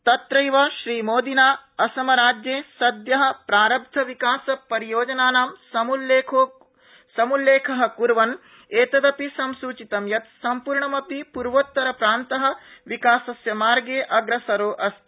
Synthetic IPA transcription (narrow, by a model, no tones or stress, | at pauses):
t̪ɐt̪ɾɐjʋɐʃɾiːmoːd̪inaːɐsɐmɐɾaːd͡ʒjeːsɐd̪jɐɦɐ̆pɾaːɾɐb̚d̪ʱɐʋikaːsɐpɐɾijoːd͡ʒɐnaːnaːmsɐuleːkʰo | sɐmulːeːkʰɐɦɐ̆kuɾʋɐn | eːt̪ɐd̪ɐpisɐmsuːt͡ʃit̪ɐmjɐt̪sɐmpuːɾɳɐmɐpipuɾʋoːt̪ːɐɾɐpɾaːnt̪ɐɦɐ̆ʋikaːsɐsjɐmaːɾɡeːʔɐɡɾɐsɐɾoːʔɐst̪